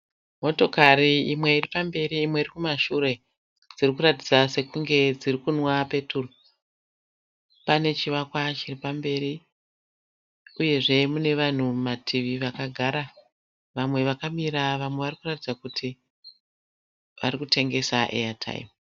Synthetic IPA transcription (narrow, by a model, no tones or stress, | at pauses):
mo̞to̞kariimwe̞iripambe̞ɾiːmwe̞iɾikumaʃuɾe̞ | d͡zirikurat̬id͡zase̞kuŋɡe̞d͡zirikunwape̞tʰuro | pane̞t͡ʃiʋakwat͡ʃiripambe̞ɾi | uje̞ʐe̞mune̞ʋan̤umatʰiʋiʋakaɡʱaɾa | ʋamwe̞ʋakamiɾaʋamwe̞ʋarikuratid͡zakutʰi | ʋaɾikute̞ŋɡe̞saʔḛjatʰa̰ḭm